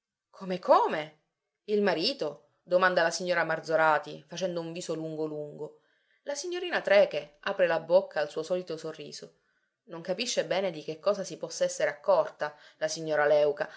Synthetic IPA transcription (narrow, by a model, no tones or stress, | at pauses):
kʰomekʰoːme | ilmaɾiːt̪o | d̪omand̪alasiɲːoːɾamard̪zoɾaːt̪ifat͡ʃɛnd̪ouɱviːsoluŋɡoluŋɡo | lasiɲːoɾiːnat̪ɾɛːkeaːpɾelabokʰːaːlsuːosɔːlit̪osorːḭːzo | noŋkapiʃːebɛːned̪ik̟ekːɔːsasipɔsːaɛsːeɾeakːɔrt̪alasiɲːoːɾalɛwka